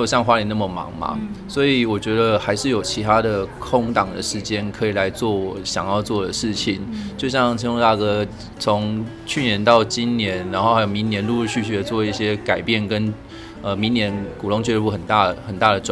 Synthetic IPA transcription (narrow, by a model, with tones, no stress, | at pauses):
o˨˩ʊɕjɑ˥˧ŋxwa˥li˨˩na˥˩mə˩mɑ̰˨˧˥ŋma̰˩swɔ˧˥i˨˩wɔ˨˩t͡ɕɥɛ˧˥d̪ə˧xa˧˥ɪʂɻ̩˥˩jo˨˩ʊt͡ɕʰi˧˥t̪ʰa˥d̪ə˨kʰʊ˥ŋt̪ɑ˨˩ŋd̪ə̰˩ʂɻ̩˧˥t͡ɕjɛ˦˥nkʰə˧˥i˨˩la˧˦ɪt͡swɔ˥˩wɔ˨˩˦ɕjɑ̰˨˩ŋjɑ˥˧ʊt͡swɔ˥˩d̪ə˩ʂɻ̩˥˩t͡ɕʰi˨˩nt͡ɕjo˥˧ʊɕ̬jɑ˥˩ŋt̪ʰi˧˥ŋ˥˧t̪a˥˩kɤ˧ | t͡sʰo˧˦ŋ | t͡ɕʰy˥˩njɛ˧˦nt̪ɑ˥˩ʊt͡ɕi˦nnjɛ˧˦nɻa˧˥nxo˥˩ʊha˧˥jo˨˩mi˧˦˥ŋnjɛ˧˦nlu˥˧u˥˧ɕy˥˧ɕy˥˩d̪ə˨t͡swɔ˥˧i˥˩ɕjɛ˦˥ka˨˩ɪpjɛ˥˩nkə˦n | ə˧mi˧˦ŋnjɛ˧˥nku˨˩lʊ˧˥ŋt͡ɕʰɥɛ˥u˥˩xə˨˩nt̪a˥˩ə˩xə˨˩nt̪a˥˩ɾə˩ʈ͡ʂ